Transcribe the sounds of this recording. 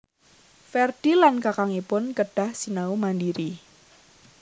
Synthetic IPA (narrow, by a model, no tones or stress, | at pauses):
fɛrd̥ilankakaŋipʊnkəɖ̥a̤hsinaumandiɾi